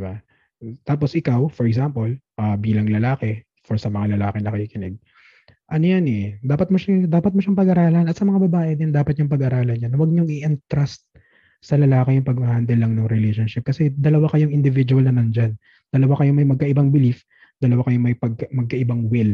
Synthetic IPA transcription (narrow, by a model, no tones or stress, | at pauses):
ba | t̪aːp̬osʔɪkawfɔɹɛɡzampolʔɐbiːlɐŋlɐlaːkɛ | foɹsɐmɐŋalɐlaːkɛnɐkɐjikɪnɛɡ̚ | ʔɐnojanɛd̪aːpɐt̪̚mʊʃad̪aːpɐt̪̚mʊʃaŋpɐɡʔaɾaːlɐnɐt̪̚sɐmɐŋabɐbaːʔɛd̪ɪnd̪aːpɐt̪̚ɲʊŋpɐɡʔaɾaːlɐnɲanwɐɡ̚ɲoŋɪʔɪnt̪ɾast̪̚ | sɐlɐlaːkɛjʊŋpɐɡ̚mɐhɐnd̪ɛlːɐŋnoŋɾɪlejʃonʃɪp̚kɐsɛd̪ɐlɐwakɐjoŋɪnd̪ɪvid͡ʒuwɐlnɐmɐnd͡ʒan | d̪̥ɐlɐwakɐjomɐjmɐɡ̚kɐʔɪbaŋbɪlif | d̪̥ɐlɐwakɐjomɐjpɐɡ̚kɐmɐɡ̚kɐʔɪbaŋwɪl